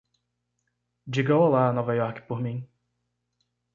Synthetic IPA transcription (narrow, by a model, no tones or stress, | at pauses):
d͡ʒiɡowalaɐnɔvajɔɾkɪ̥poɾmĩ